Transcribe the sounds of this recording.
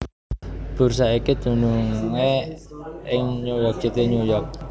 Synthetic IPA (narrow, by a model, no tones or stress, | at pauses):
b̥ṳɾsaikid̪̥ṳnuŋe | ɪŋɲujɔk̚d͡ʒ̥it̪eɲujɔk̚